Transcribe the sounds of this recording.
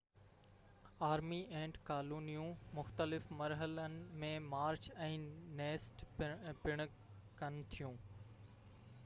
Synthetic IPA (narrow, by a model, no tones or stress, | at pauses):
aːɾmiʔẽːɳʈkaːluːnijũmʊxt̪əlɪfmɐɾɦələnɪ̆mẽmaːɾt͡ɕɛ̃ːneːsʈpɪɽ̃ʊ̆ | kɐnɪ̆t̪ʰijũː